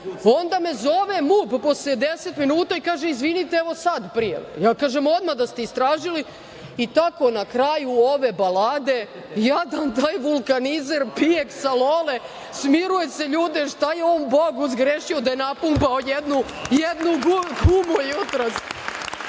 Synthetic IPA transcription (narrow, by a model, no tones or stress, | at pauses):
ond̪ame̞zo̞ʋemupposlied̪eset̪minuːt̪aikaːʒeizʋinit̪eeʋo̞sad̪pɾijḛʋ̰jaːkaːʒemo̞d̪mad̪ast̪eist̪ɾaːʒili | it̪ako̞nakɾajuo̞ʋebalad̪e̞ | jad̪ant̪aːjʋulˠkanizeɾpijeksalole | smiɾuje̞se̞ʎuːd̪eʃt̪ajeomboɡuzɡɾeʃiod̪ajenapumpaojed̪nu | jed̪nuɡuɡubujut̪ɾas